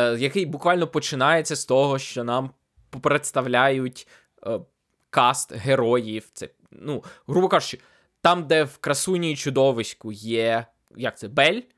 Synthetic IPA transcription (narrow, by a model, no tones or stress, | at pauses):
jɐkɪjbʊkʋɑlʲnɔpɔt͡ʃɪnɑjet͡sʲːɐst̪ɔɦɔʃt͡ʃɔnɑm | pɔpɾet̪st̪ɐwlʲajʊtʲ | kɑst̪ɦeɾɔjiwt̪sɛ | nuɦɾubɔkɑʒʊt͡ʃɪ̥ | t̪ɑmd̪ɛwkɾɐsunʲijit͡ʃʊd̪ɔʋɪsʲkʊjɛ | jɐk̚t̪ɛbɛlʲ